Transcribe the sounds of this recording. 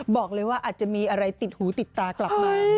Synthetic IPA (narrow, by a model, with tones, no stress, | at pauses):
bɔː˨˩k̚lɤː˧jwaː˥˩ʔaː˨˩t̪̚t͡ɕa˨˩miː˧ʔa˧ɾa˧jt̪i˨˩t̪̚huː˩˦t̪i˨˩t̪ːaː˧kla˨˩maː˧